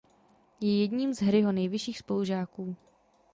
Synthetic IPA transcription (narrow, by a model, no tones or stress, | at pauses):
jɛjɛdɲiːmzɦɾɪɦo̞nɛjvɪʃiːxspoluʒaːkuː